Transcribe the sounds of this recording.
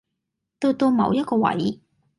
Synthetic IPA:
t̪o˧wt̪o˧wmɐ̰˨˧wjɐ˥t̚kɔː˧wɐ̰˨˥j

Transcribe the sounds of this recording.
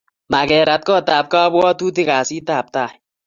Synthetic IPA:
ma˨kɛː˨ɾa˨t̪̚kɔː˦t̪aː˨p̚kaː˦bɔ˦t̪uː˦t̪ɪ˦˨kaː˨siː˦t̪aː˨p̚t̪aː˦˨

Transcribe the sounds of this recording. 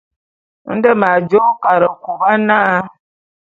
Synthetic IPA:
n̩˦də˦ma˨d͡ʒo˦ka˨ɾə˨ku˨ba˦na˦

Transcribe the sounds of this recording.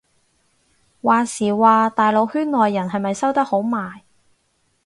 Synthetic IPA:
waː˨˩siː˨˩waː˨˧t̪aː˨jlo˨˧whyː˥nnːɔː˨jːɐ˨˩nɦɐ˨jmɐ˨jsɐ˥wt̪ɐ˥k̚ho˨˥wmaː˨j

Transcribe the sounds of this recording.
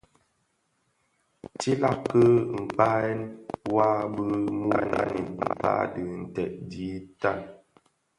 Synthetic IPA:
t͡ʃi˦la˦kːə˦m̩˨pa˦ɛ˦nwa˦bə˦mu˦ɛ˦na̰˦ni˨nm̩˨pa̰˦dɨ˨n̩˨tɛ˨ʔ̚di˨˦ta˦˨n

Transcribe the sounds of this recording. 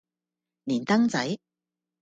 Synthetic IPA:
niː˨˩nt̪ɐ˥ŋt͡sɐ˨˥j

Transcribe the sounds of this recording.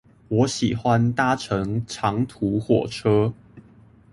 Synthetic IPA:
wɔ˨˥ɕi˨˩xwa˦nt̪a˥ʈ͡ʂʰɤ˧˦ŋʈ͡ʂʰɑ˨˧˥ŋt̪ʰu˧˥˦xwɔ˨˩ʈ͡ʂʰɤ˥

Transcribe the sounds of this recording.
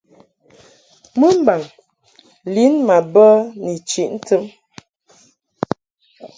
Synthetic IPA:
mə˦m˦ba˨ŋ | li˨˦nma˨bə˦ni˨t͡ʃi˨ʔn̩˦tə˦m

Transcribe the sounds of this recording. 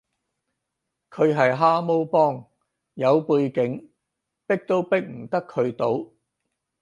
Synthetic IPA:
kʰɵ˨˧ɥɦɐ˨jɦaː˥mo˥wpɔː˥ŋ | jɐ˨˧wpuː˧jkɪ˨˧˥ŋ | pɪ˥k̚t̪o˥wpɪ˥k̚m̩˨˩t̪ɐ˥kʰːɵ˨˧ɥt̪o˨˧w

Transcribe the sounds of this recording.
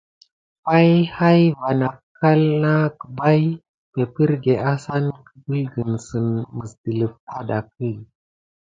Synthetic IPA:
pa˦jha˦jva˨na˨kʰː | a˦lna˦kə̥˨ba˦j | pe˨pi˦ɾɡe˨ʔa˦sa˦nkə˨bə˦lɡə˨nsə˨nmə˨sdə˨lə˨f̚ta˦da˨k̚i˦˨

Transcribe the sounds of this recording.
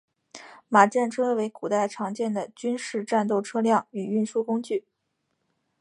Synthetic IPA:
ma˨˩ʈ͡ʂa˥˩nʈ͡ʂʰɤ˥we˧˥ɪku˨˩t̪a˥˩ɪʈ͡ʂʰɑ˧˥ŋt͡ɕjɛ˥˩nd̪ə˩t͡ɕy˥nʂɻ̩˥˧ʈ͡ʂa˥˧nt̪o˥˩ʊʈ͡ʂʰɤ˥ljɑ˥˩ŋy˨˩y˥˩nʂu˥kʊ˥ŋt͡ɕy˥˩

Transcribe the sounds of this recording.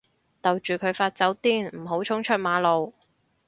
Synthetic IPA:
t̪ɐ˨wt͡ʃyː˨˩kʰɵ˨˧ɥfaː˧t̚t͡sɐ˨˥wt̪iː˥nm̩˨˩ɦo˨˥wt͡ʃʰʊ˥ŋt͡ʃʰɵ˥t̚maː˨˧˥lo˨w

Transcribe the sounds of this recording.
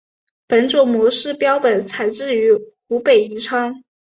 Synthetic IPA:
pə˧˥nʈ͡ʂo˨˩mwɔ˧˥ʂɻ̩˥˩pjɑ˥ʊpə˨˩nt͡sʰa˨˩ɪʈ͡ʂɻ̩˥˩y˧˥ | u˧˥pe˨˩ɪi˧˥ʈ͡ʂʰɑ˥ŋ

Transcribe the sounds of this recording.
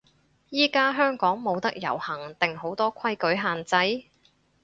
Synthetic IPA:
jiː˥kaː˥ɦœː˥ŋkɔː˨˥ŋmo˨˧wt̪ɐ˥k̚jɐ̰˨˩whɐ˨˩ŋt̪ɪ˨ŋho˨˥wt̪ɔː˥kʷʰɐ˥jkɵ˨˥jɦaː˨nt͡sɐ˨˥j

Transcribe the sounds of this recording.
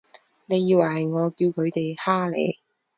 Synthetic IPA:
ne˨˧jːiː˧waː˨˩ɦɐ˨˩jŋɔː˨˧kiː˧wkʰɵ˨˧ɥt̪e˨jhaː˥lḛ˨˧j

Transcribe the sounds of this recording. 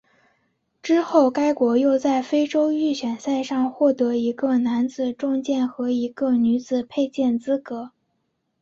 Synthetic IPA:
ʈ͡ʂɻ̩˥xo˥˩ʊka˥ɪkwɔ˧˥jo˥˧ʊt͡sa˥˩ɪfe˥ɪʈ͡ʂo˥ʊy˥˩ɕɥɛ˨˩nsa˥˧ɪʂɑ˥˧ŋxwɔ˥˩t̪ɤ˧˥i˧˥ɡə˥˧na˧˥nt͡sɹ̩˨˩ʈ͡ʂʊ˥˧ŋt͡ɕjɛ˥˩nxɤ˧˥i˧˥ɡə˧ny˧˥d͡zɹ̩˨˩pʰe˥˧ɪt͡ɕjɛ˥˩nt͡sɹ̩˥kɤ˧˥

